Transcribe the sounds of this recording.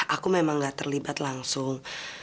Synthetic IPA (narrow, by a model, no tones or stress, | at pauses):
ʔakumemaŋɡaʔt̪ərlibat̪laŋsʊŋ